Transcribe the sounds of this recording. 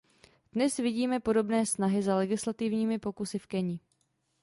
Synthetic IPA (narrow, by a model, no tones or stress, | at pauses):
d̥nɛsvɪɟiːmɛpo̞do̞bnɛːsnaɦɪzalɛɡɪslat̪ɪvɲiːmɪpo̞kusɪfkɛɲɪ